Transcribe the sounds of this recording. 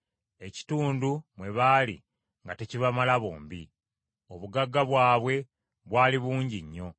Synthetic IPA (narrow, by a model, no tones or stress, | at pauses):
e̞ci̥tuːndumwe̞βaːlḭ | ŋɡate̞ciβamalaβoːmbi | o̞βuɡaɡːaβwaːβwe̞ | βwaːliβuːɲɟiɲːo̞